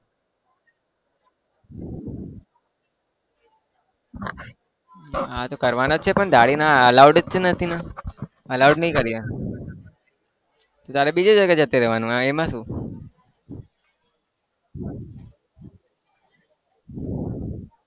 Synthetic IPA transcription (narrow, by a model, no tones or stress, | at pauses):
at̪okəɾʋanot͡ʃʰepəɳd̪ʱaːɽinaəlawɖt͡ʃnət̪ʰina | əlawɖnəĩkəɾija | t̪ot̪aːɾebid͡ʒed͡ʒəɡad͡ʒət̪eɾeʋanũãemãsũː